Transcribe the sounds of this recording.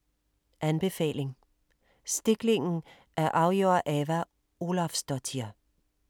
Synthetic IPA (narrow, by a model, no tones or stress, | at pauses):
ʔænb̥e̝fɛ̰ːle̝ŋ | sd̥e̝ɡ̥le̝ŋn̩ | ʔæɐʔɑ̈ʊjo̰ɐʔeʋæ | o̝lɑfsd̥ɒt͡sʰiɐ